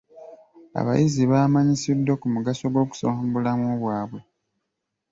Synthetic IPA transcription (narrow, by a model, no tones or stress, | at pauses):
a̰βa̰jʔiziβaːmaɲisidːokumuɡaso̞ɡo̞ːku̥saːmbulamoːβwaːβwe̞